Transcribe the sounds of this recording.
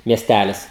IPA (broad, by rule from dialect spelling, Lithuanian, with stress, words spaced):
mʲiɛˈsʲtʲælʲɪs